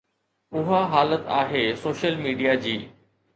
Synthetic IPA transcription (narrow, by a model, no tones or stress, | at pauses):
ʊɦaɦaːlət̪aːɦeːsoːʃəlmiːɖijad͡ʑiː